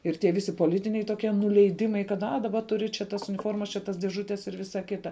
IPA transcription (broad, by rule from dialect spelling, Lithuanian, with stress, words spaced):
ɪr tʲiɛ ˈʋʲɪsʲɪ poːˈlʲɪtʲɪnʲɛɪ toːˈkʲiɛ nʊlʲɛɪˈdʲɪmɐɪ kɐt ɐ dɐˈbɐ ˈtʊrʲɪ t͡ʃʲɛ tɐs ʊnʲɪˈfoːrmɐs t͡ʃʲɛ ˈtɐs dʲeːˈʒʊtʲɛs ɪr ˈʋʲɪsɐ ˈkʲɪtɐ